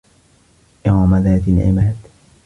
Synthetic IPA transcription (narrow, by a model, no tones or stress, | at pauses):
ʔamaðaːt̪alʕɪ̰maːd̪